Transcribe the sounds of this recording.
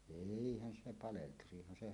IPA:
eihæn se pɑleltusihˑɑn se

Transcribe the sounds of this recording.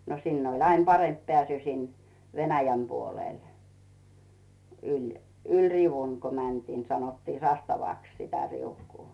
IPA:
no sinː olʲ ɑin pɑremp pĕæˑsy sin ʋenæjæm puoleˑl ylʲ ylʲ riʋuŋ ku mæntiː sɑnotːiː sɑstɑʋɑˑks sitæ riukuː

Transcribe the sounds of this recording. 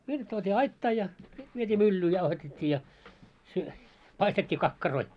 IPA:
ʋiljɑt tuotʲiː ɑitːɑː jɑ sit ʋietʲiː mylːyː jɑuhɑtetʲːiː jɑ sy pɑistetʲːiː kɑkːɑroi

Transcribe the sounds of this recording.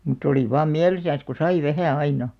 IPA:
mutˑ oli ʋɑːm miælisæn̞s ku sɑi ʋæhæˑ ɑinɑ

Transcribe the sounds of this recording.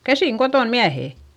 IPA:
kæsiŋ koton miæheˑ

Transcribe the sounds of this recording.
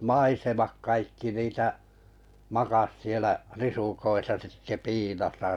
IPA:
mɑisemɑk kɑikːi niːtæ mɑkɑs sielæ risukoisɑ sitːe piːlosɑ

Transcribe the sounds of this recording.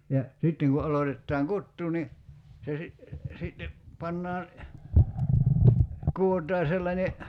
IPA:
jɑ sitːeŋ ku ʔɑlotetːɑːŋ kutːuː ni se si sitːe pɑnːɑː kuotˑɑː selːɑnʲe

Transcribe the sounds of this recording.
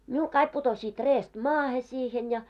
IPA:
miul kɑik putosiːt reːst mɑːhe siːhen jɑ

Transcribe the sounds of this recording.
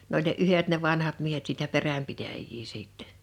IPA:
n olʲ ne ʔyhet ne ʋɑnhɑt miehet siːtæ peræmpitæjːiː siːtːɛ

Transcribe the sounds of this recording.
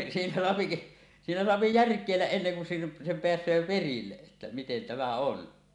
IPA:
siːnæ soɑpi siːnæ soɑpi jærkˑeˑilːæʔ ʔenːeŋ kun sen sem peæsˑøː perilːeʔ ʔetːæ miten tæmæ on

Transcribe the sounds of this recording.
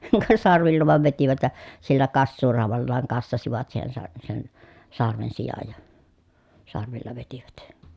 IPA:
kɑ sɑrʋilːɑ ʋɑˑeʋ ʋetiʋæt jɑ silːæ kɑsːuːrɑˑu̞ʋɑlːɑːŋ kɑsːɑsiʋɑt siːhen sɑ sen sɑrʋen sijɑj jɑ sɑrʋilːɑ ʋetiʋæt

